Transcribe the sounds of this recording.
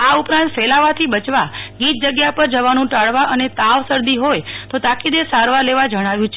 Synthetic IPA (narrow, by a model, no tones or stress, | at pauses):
aupɾãnt̪fɛlaʋat̪ʰibət͡ʃʋaɡit̪̚d͡ʒəɡjapəɾd͡ʒəʋanũʈaɭʋaʔənet̪aʋsəɾd̪iɦojt̪ot̪akid̪esaɾʋaleʋad͡ʒəɽ̃aʋjũt͡ʃʰe